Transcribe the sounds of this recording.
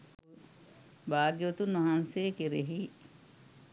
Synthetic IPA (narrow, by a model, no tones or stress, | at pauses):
baːɡiot̪unʋɐɦanseːkeɾeɦiː